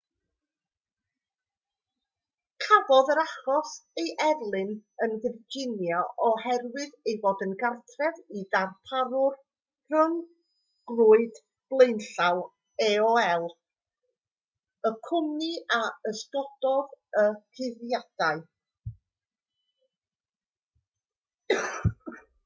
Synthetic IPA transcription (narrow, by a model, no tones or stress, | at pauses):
kʰavɔðəɾaχɔsejʔɛrlˠɨnənðɪrd͡ʒɪnjɔʔɔhɛrwɨðejvoːdənɡartʰrɛðidarpʰaɾʊr | rən | ɡ̥lˠuːɨd̥ | b̥lˠeɨnɬaw | ɛɔɛlˠ | əkʰʊmniaəsɡɔd̥ɔðəkʰɪðjad̥aɨ